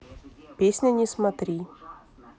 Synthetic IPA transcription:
pʲesʲnʲɐnʲɪsmat̪ɾʲi

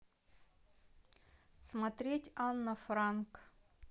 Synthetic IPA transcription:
smɐt̪ɾʲetʲanːɐfrank

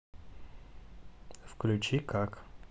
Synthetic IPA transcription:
fklʲut͡ʃikak

